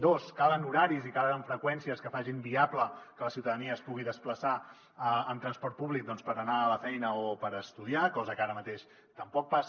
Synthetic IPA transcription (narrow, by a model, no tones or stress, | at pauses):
d̪oskalənuɾaɾizikaləəɱfɾəkwɛnsiəskəfaʒimbiabləkələsiwt̪əðəniəːspuɣ̞iðəspləsa | əmt̪ɾənspɔɾt̪̚puβlik̚d̪ɔnspəɾənaːləfɛjnəopəɾəst̪uðiakɔzəkaɾəmət̪eʃ | t̪əmpɔk̚pas